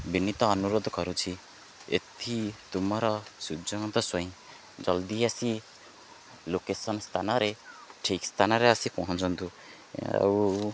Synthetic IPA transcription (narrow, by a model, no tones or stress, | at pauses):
binit̪ɔːnuɾod̪kɔɾut͡ʃʰi | ḛt̪ʰit̪umɔɾɔsud͡ʒɔŋt̪ɔsɔĩ | d͡ʒɔld̪iasi | lokesɔnst̪ʰanaɾeʈʰikst̪ʰanaɾeasipɔɦɔ̃t͡ʃɔnt̪u | a̰w